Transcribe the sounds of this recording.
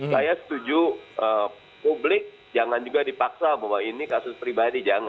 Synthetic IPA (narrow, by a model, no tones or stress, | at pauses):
sajasə̥t̪ud͡ʒuʔə | publɪk̚ | d͡ʒaŋand͡ʒuɡadipaksabawainikasʊspɾibadid͡ʒaŋa